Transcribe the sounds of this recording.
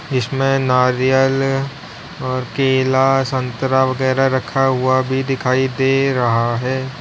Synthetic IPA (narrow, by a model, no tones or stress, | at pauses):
d͡ʒɪsmẽnaːɾijəl | ɔːɾkeːlasɐ̃nt̪ɾaʋɐɡɛːɾaɾɐkʰaɦʊabʱid̪ɪkʰaːid̪eːɾɐɦaɦɛː